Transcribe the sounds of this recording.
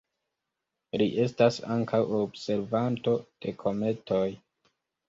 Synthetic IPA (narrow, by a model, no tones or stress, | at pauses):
liʔe̞stasaŋkʰawobse̞ɾvanto̞d̥e̞kʰo̞me̞to̞j